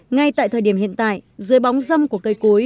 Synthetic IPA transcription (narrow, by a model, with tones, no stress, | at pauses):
ŋa˧jt̪a̰ː˧˨t̪ʰəː˨˩ɗi˧˩əmhḭ˧ənt̪a̰ː˧˨jʔzɨ˨˦əjɓa˨˦wŋ͡mzə˧mku˧˩əkə˧jko˨˦j